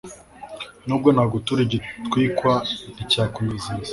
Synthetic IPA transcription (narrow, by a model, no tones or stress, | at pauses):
nuːb̚ɡonaɡutuɾiɟitkwiːkwaicaːkumizi